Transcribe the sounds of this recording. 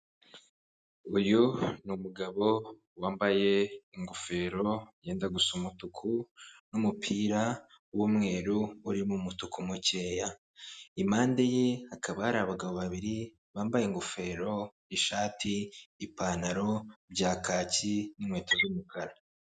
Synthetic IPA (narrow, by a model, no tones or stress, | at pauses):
ujunumuɡaβo̞ | waːmbaje̞iŋɡofe̞ːɾo̞jeːndaɡusumutukʰunumupʰiːɾa | wumŋe̞ːɾuːɾimumutukʰumuce̞ːja | imaːndejehakʰaβahaɾaβaɡaβoβaβiɾi | βaːmbajeŋɡofe̞ɾo̞ | iʃaːtʰiːpaːnaɾo̞bɟaːkaːcinimweːtʰozumukʰaɾa